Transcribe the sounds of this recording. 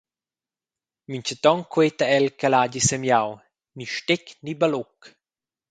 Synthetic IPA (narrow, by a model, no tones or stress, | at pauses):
miɲt͡ʃət̪ɔŋkwet̪aɛlkalaːɟisemjaw | niʃteknibalok